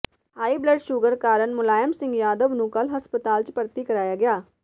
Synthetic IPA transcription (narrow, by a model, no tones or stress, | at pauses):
haːibləɖʃuɡəɾkaːɾəɳmʊlaːjəmsɪ̃ŋɡjaːd̪əʋnũːkɐlɦɐspət̪aːlt͡ʃpəɾt̪ikɐɾaːjaːɡɪjaː